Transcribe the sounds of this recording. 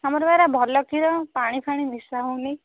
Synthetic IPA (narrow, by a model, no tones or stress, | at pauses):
amɔɾbaɾabʱɔlɔkʰiɾɔpaɽ̃ipʰaɽ̃inisaɦoni